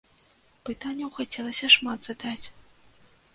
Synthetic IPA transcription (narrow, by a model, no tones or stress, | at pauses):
pɨt̪anʲːɐwxat͡sʲɛlˠɐsʲɐʂmad̪z̥ɨd̪at͡sʲ